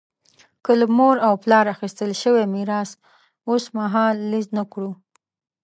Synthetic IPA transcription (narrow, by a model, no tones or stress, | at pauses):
kələmoɾawplɑɾaxist̪əlʃəwemiɾɑs | osmaɦɑlːiznəkɽu